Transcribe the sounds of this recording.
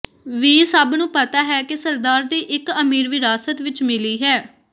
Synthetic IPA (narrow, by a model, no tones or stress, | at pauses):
ʋiːsəbnũːpət̪aːɦɛːkɪsəɾd̪aːɾd̪eːʔɪkəmiːɾʋiɾaːsət̪ʋɪt͡ʃmɪliːɦɛː